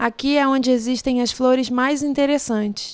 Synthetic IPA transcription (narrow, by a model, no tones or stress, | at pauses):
akiɛõd͡ʒɪeziʃt̪ẽj̃ɐsfloɾɪzmajzĩnt̪eɾesɐ̃t͡ʃɪ̥s